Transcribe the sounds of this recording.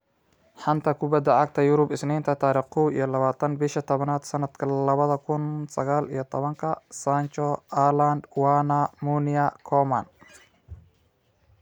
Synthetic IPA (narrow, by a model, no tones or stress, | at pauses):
ħɑnt̪ʰɐkʰʊbɐd̪ːɐʕɑɡ̚t̪ʰɐjʊɾʊbɪsniːnt̪ʰɐt̪ʰaːɾiːχkʰuwḭjɞlɐβaːt̪ʰɐnbɪʃɐt̪ʰɔβɐnaːd̪sɐnɐd̪̥kʰɐlɐβɐðɐkʰʊnsɐɣaːlḭjɞt̪ʰɔβɐŋkʰɐsant͡ʃɔaland̪wanɐmunɪɐkʰɔmɐn